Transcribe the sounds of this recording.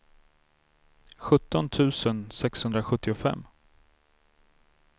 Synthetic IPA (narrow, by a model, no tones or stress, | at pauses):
ɧɵt̪ːɔnt̪ʰʉ̟ːsənsɛkshɵnd̪ɾaɧɵt̪ʰːɪʊfɛ̰mː